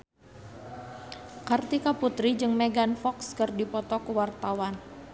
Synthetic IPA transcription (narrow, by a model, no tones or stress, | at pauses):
kart̪ikaput̪ɾid͡ʒɨŋmɛɡanfɔkskɨrdipɔt̪ɔkuwart̪awan